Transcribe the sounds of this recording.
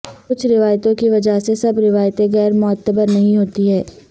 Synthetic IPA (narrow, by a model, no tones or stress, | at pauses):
kʊt͡ʃʰɾɪʋaːjt̪õkiʋɐd͡ʒaɦsesɐbɾɪʋaːjt̪ẽɣɛːɾmɔːət̪ːəbəɾnɐɦĩɦoːt̪iɦɛː